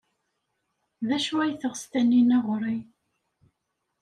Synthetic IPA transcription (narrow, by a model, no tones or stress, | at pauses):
ðæʃuæjθəʁst̪ænːinæʁɾˤi